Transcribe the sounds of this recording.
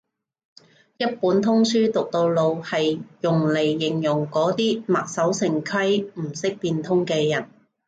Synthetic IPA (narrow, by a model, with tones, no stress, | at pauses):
jɐ˥t̚puː˨˥nt̪ʰʊ˥ŋsyː˥t̪ʊ˨k̚t̪o˧wlo˧whɐ˨jjʊ˨˩ŋle˨˩jːɪ˨˩ŋjʊ˨˩ŋkɔː˨˥t̪iː˥mɐː˨t̚sɐ˨˥wsɪ˨˩ŋkʰɐ˥jm̩˨˩sɪ˥k̚piː˧nt̪ʰʊ˥ŋkɛː˧jɐ˨˩n